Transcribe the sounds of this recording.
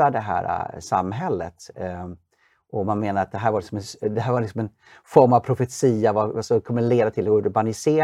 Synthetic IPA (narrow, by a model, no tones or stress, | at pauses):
ad̪ɛɦæ̰ːɾa̰sa̰mːɦɛlːə̰t̪ | ʔɔmanmeːnaɾat̪d̪ɛɦæːɾvaɾlɪksɔmɛnsd̪ɛɦæːɾvaɾlɪksɔmɛn | fɔɾmavpʰɾʊfɛt̪siːavasɔkʰɔmːəleːd̪at̪ʰɪlɛɡoʉːt̪ɔbanɪseː